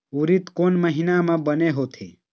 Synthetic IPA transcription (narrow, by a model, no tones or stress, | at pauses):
uɾit̪koːnməɦinamãbəneɦoːt̪ʰḛ